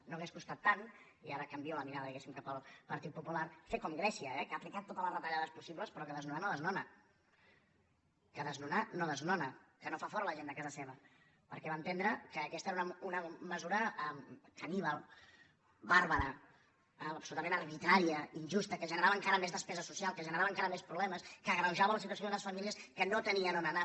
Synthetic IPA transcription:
noəɣ̞eskust̪at̪ːan | iaɾəkəmbioləmiɾaðəðiɣɛsimkapəlˠpəɾt̪it̪̚pupulaɾfekɔmɡɾɛsiəɛkaːplikat̪ːot̪ələzrət̪əʎaðəspusiβləspɾɔkəðəznunanoðəznɔnə | kəðəznunanoðəznɔnəkənofafɔɾələʒend̪əkazəseβə | pəɾkɛβant̪end̪ɾəkəːkɛst̪əeɾunəunəməzuɾəəkəniβəlˠ | baɾβəɾə | əpsulut̪əmẽnərβit̪ɾaɾiəinʲʒust̪əkəʒənəɾaβəŋkaɾəmezðəspɛzəsusialˠkəʒənəɾaβəŋkaɾəmespɾuβlɛməskəːɣɾəwʒaβələsit̪uwəs̬jonzləsfəmiliəskənot̪əniənonəna

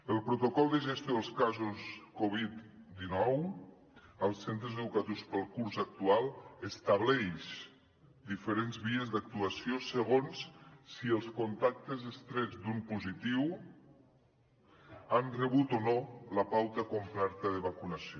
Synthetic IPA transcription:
əlˠpɾut̪okɔlˠd̪əʒəst̪joðəlˠskazuskoβit̪d̪inɔw | əlˠsent̪ɾəzəðukət̪iwspəlˠkuɾzak̚t̪ualˠəst̪aβ̞lɛʃ | d̪ifəɾenzβiəzd̪ak̚t̪uəsiosəɣ̞onssːiəlˠskont̪ak̚t̪əzəst̪ɾɛd͡zd̪umpuzit̪iw | anrəβut̪onoləpawt̪əkomplɛɾt̪əðəβakunəsio

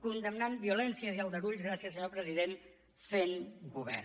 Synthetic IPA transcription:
kund̪əmnambiulɛnsiəziəlˠd̪əɾuʎzɣ̞ɾasiəsəɲopɾəziðen | feŋɡuβɛ̰ɾ

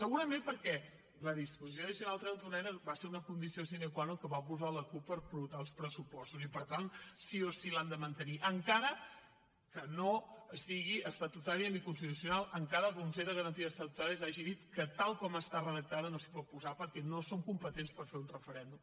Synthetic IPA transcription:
səɣuɾəmẽmpəɾkɛ | ləðispuzis̬onəs̬iunalˠt̪ɾɛlˠt̪unɛnəɾbaseɾunəkund̪isiosinekwanokəβapuzaləkupːəɾpɾut̪aəlˠspɾəsupɔst̪uzipəɾt̪ansiosiland̪əmənt̪əniʔəŋkaɾə | kənosiɣ̞iʔəst̪at̪ut̪aɾiənikunst̪it̪usjunalˠəŋkaɾəkunseðəɣəɾənt̪iəst̪at̪ut̪aɾiəzaʒiðit̪kət̪alˠkɔməst̪arəðək̚t̪aðənosi̥pɔt̪̚puzapəɾkɛnosoŋkumpət̪enspəɾfeɾunrəfəɾɛnd̪um

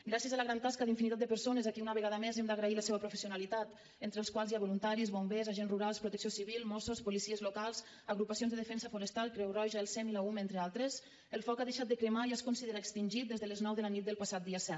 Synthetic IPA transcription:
ɡɾasiəzaləɣɾant̪askəðiɱfinit̪at̪d̪əpəɾsonəzakiunəβəɣaðəmezɛmd̪əɣɾailəseβəpɾufəsiunalit̪at̪ | ent̪ɾəlˠskwalˠzjiaβulunt̪aɾizβombezaʒenzruɾalˠspɾut̪əksiosiβilˠmɔsospulisiəzlukalˠz | əɣɾupəsionzðəðəfɛnsəfuɾəst̪alˠkɾɛwrɔʒəelˠsɛmilaument̪ɾealˠt̪ɾəz | əlˠfɔkaðeʃat̪d̪əkɾəmaiaskunsiðeɾaekst̪inʲʒit̪̚d̪ezðələznɔwðələnit̪̚d̪əlˠpasat̪̚d̪iəsɛt̪̚

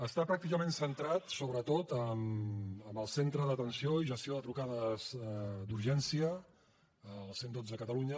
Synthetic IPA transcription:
əst̪apɾak̚t̪ikəmensənt̪ɾat̪soβɾət̪ot̪əməmbəlˠsent̪ɾəðət̪ənsioiʒəst̪ioðət̪ɾukaðəzd̪uɾʒɛnsiə | əlˠsend̪od͡zəəkət̪əluɲə

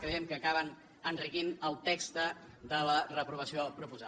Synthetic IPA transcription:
kɾəjɛmkəːkaβən | ənrikinəlˠt̪ekst̪ə | d̪ələrəpɾuβəsiopɾupuza

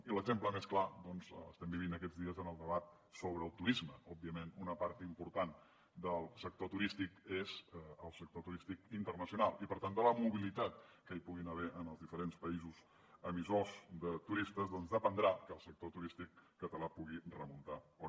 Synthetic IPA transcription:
iləɡzempləmesklad̪ɔnzə̰st̪ɛmbiβ̞inəkɛd͡zðiəzənəlˠd̪əβat̪̚ | soβɾəːlˠt̪uɾizməɔb̚biəmenunəpaɾt̪impuɾt̪an | d̪əlˠsək̚t̪ot̪uɾist̪ikezəlˠsək̚t̪ot̪uɾist̪ikint̪ərnəsiunalˠipəɾt̪and̪ələmuβilit̪at̪̚kəipuɣinəβɛʔənəlˠzðifəɾenspəizuz | əmizozd̪ət̪uɾist̪əzðɔnzðəpənd̪ɾakəlˠsək̚t̪ot̪uɾist̪ikːət̪əlapuɣirəmunt̪ao

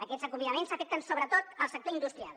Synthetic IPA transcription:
əkɛzəkumiəmensəfɛk̚t̪ənsoβɾət̪ot̪əlˠsək̚t̪oind̪ust̪ɾia̰lˠ

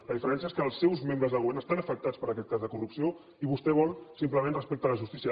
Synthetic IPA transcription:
ləðifəɾɛnsiəeskəːlˠsːɛwzmẽmbɾəzðəɣuβɛɾnəst̪anəfək̚t̪at͡spəɾəkɛt̪̚kazðəkurupsio | iβust̪ɛβ̞ɔlˠsimpləmẽnrəspek̚t̪ələʒust̪isiə

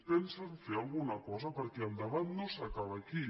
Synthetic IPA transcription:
pɛnsenfealˠɣunɐkɔzɐpəɾkeand̪aβant̪nõsakaβaki

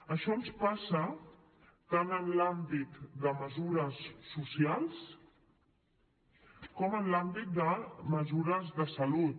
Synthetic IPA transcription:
əʃɔnspasə | t̪anənlambit̪d̪əməzuɾəsːusialˠs | kɔmənlambit̪̚d̪əməzuɾəzðəsəlut̪̚

